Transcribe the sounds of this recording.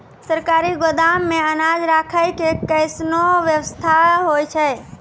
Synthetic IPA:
səɾkaɾiɡod̪amːẽənad͡ʒɾakʰəjkekəɪsnoʋjəʋəst̪ʰaɦojt͡ʃʰəj

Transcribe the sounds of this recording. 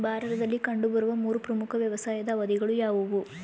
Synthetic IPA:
bʱaːɾɐt̪ɐd̪ɐlːikɐɳɖubɐɾuʋɐmuːɾupɾɐmukʰɐʋjɐʋɐsaːjɐd̪ɐʋɐd̪iɡɐɭujaːʋuʋu

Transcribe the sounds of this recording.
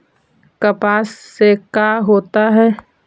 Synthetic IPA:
kəpaːsːekaːɦoːt̪aɦɛː

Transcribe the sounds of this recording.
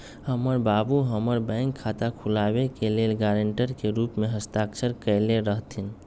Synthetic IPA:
həməɾbabuɦəməɾbɛ̃ŋkʰːat̪akʰulabekelelɡaɾəɳʈəɾkeɾupmeɦəst̪aksəɾkəleɾəɦt̪ʰin

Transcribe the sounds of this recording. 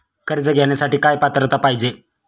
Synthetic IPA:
kəɾd͡zəɡʱɛɳjasaʈiːkajpat̪ɾət̪apaɦid͡ʑe

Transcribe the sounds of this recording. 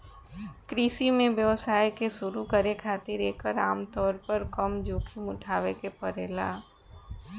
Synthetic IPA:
kɾiːsimẽʋjəʋsaːjkeʃʊɾukəɾekʰaːt̪ɪɾeːkəɾaːmt̪ɔːɾpəɾkəmd͡ʒoːkʰimʊʈʰaːʋekepəɾeːla̰ː

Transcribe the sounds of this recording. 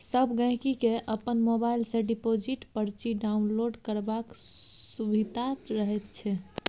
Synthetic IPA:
səbʱɡə̃ɦkikeʔəpənmobailsẽɖipod͡ʒiʈpəɾt͡ʃiɖaunloɖkəɾbak | subʱid̪ʱat̪ɾəɦɛt̪t͡ʃʰɛ

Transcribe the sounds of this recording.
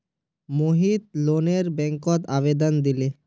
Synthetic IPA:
moɦit̪loneɾbɛŋkɔt̪abed̪ɔnd̪ile

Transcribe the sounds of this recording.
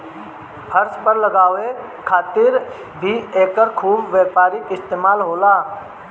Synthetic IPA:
hʰəɾspəɾlɐɡaːʋe | kʰaːt̪ɪɾ | bʱieːkəɾkʰuːbʋjeːpaːɾɪk̪ɪst̪eːmaːlɦoːlaː

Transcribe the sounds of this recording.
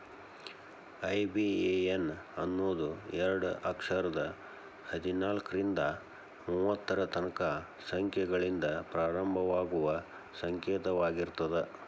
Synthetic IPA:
ɐjbieenɐnːoːd̪uɛɾɐɽuʔɐkʂɐɾɐd̪ɐ | hɐd̪inaːlkɾind̪ɐ | muːʋɐt̪ːɐɾɐt̪ɐnɐka | sɐŋkʰjɛɡɐɭind̪ɐpɾaːɾɐmbʱɐʋaːɡuʋɐ | sɐŋkeːt̪ɐʋaːɡiɾt̪ɐd̪e

